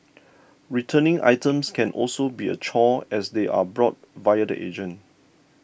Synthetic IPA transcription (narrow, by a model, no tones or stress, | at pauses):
ɹitʰənɪ̃ŋʔa̰jtə̃mskʰɛ̃nʔɔ̰lsobiə̰t͡ʃʰɔɛsdeʔa̰bɹɔt̚vajədə̰ʔḛd͡ʒə̃n